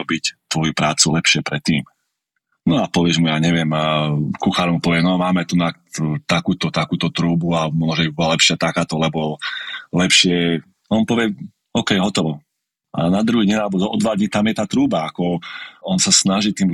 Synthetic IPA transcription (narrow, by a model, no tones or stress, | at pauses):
ɔbict̪ʋɔjupɾaːt͡sulɛpʃɪɛpɾɛt̪ːiːm | nɔapɔʋɪɛʒmujaːɲɛʋɪɛmkuxaːɾɔmpɔʋɪɛnɔmaːmɛt̪unak | t̪akuːt̪ɔt̪akuːt̪ɔt̪ɾuːbuamɔnɔʒɛbibɔlalɛpʃɪat̪akaːt̪ɔlɛbɔlɛpʃɪɛ | ɔnpɔʋɪɛ | ɔkɛjɦɔt̪ɔʋɔ | ʔa̰nad̪ɾuɦiɟinalɛbɔɔd̪ʋaːɟɲit̪amjɛt̪aːt̪ɾuːbaakɔɔnsasnaʒit̪iːm